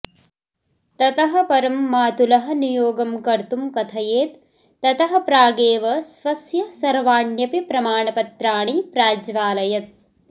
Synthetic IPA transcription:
t̪ɐt̪ɐɦɐ̆pɐɾɐmːaːt̪ulɐɦɐ̆nijoːɡɐmkɐɾt̪umkɐt̪ʰɐjeːt̪ː | ɐt̪ɐɦɐ̆pɾaːɡeːʋɐsʋɐsjɐsɐɾʋaːɳjɐpipɾɐmaːɳɐpɐt̪ɾaːɳipɾaːd͡ʒʋaːlɐjɐt̪̚

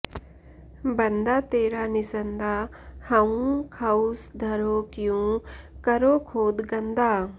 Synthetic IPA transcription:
bɐnd̪aːt̪eːɾanɪsənd̪aːhɐũkʰɐusd̪ʱɐɾokjũkɐɾokʰoːd̪ɡɐ̃nd̪ʱaː

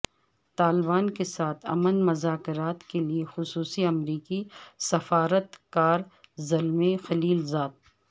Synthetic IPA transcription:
t̪aːlbaːnkesaːt̪ʰɐ̰mənmʊzaːkɾaːt̪keliexʊsuːsiɐmɾiːkisɐfaːɾət̪kaːɾzɐlmexɐliːlzaːd̪̚

